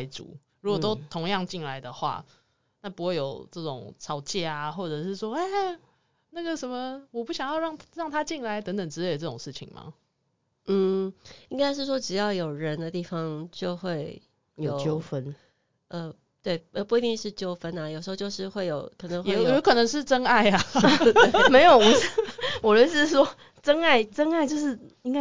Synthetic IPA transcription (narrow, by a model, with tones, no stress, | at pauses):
a˥ɪt͡sṵ˨˦ | ɻu˧˥ɡwɔ˨t̪o˦˥ʊt̪ʰʊ˧˥ŋjɑ˥˧ŋt͡ɕi˥˩nla˧˦ɪd̪ə˨xwa̰˥˩ | na˥˩pu˧˥xwe˥˩jo˨˩ʊʈ͡ʂɤ˥˩ʈ͡ʂʊ˨˩ŋt͡sʰɑ˧˥ʊt͡ɕjɛ˥˩a˨xwɔ˥˩ʈ͡ʂɤ˨˩ʂɻ̩˥˩swɔ˥e˥ | na˥˩ɡə˨ʂə˧˦nmə˧wɔ˨˩pu˥˩ɕjɑ˨˩ŋjɑ˥˧ʊɻɑ˥˩ŋɻɑ˥˩ŋt̪ʰa˥t͡ɕi˥˩ŋla˧˥ɪt̪ə˧˥ŋt̪ə˨˩ŋt͡sɻ̩˥t͡ɕe˥˧˩ə˨ʈ͡ʂɤ˥˩ʈ͡ʂʊ˨˩ŋʂɻ̩˥˩t͡ɕʰḭ˨˩ŋma̰˨˩ | n̩˥˩i˥ŋka˥ɪʂ̬ɻ̩˥˩ʂwɔ˥ʈ͡ʂɻ̩˨˩jɑ˥˩ʊjo˨˩ʊɻə˧˦nd̪ə˧t̪i˥˩fɑ˧ŋt͡ɕjo˥˧ʊxwe˥˩ɪ | jo˨˩˨t͡ɕjo˥ʊfə˦n | ʔə˧ | t̪we˥˩ɪə˧˩pu˥˩i˥t̪i˥˧ŋʂɻ̩˥˩t͡ɕjo˥ʊfə˦nɐ˨jo˨˩ʂɻ̩˧˥o˥˧t͡ɕjo˥˧ʊʂɻ̩˥˧xwe˥˩ɪjo˨˩ʊkʰɤ˨˩nɤ˧˦ŋxwjo˨˩ə˧˥kʰɤ˨˩nɤ˧˦˥ŋʂɻ̩˥˩ʈ͡ʂə˥ŋa˥˩ɪɐ˩ | me˧˥ɪjo˨˩ʊwɔ˨˩˥wɔ˨˩ʈ͡ʂə˥ʂ̩˥˩˥ʂwɔ˥ | ʈ͡ʂə˥ŋa˥˩ɪʈ͡ʂə˥ŋa˥˧ɪt͡ɕjo˥˧ʊʂɻ̩˥˩ | i˥ŋka˥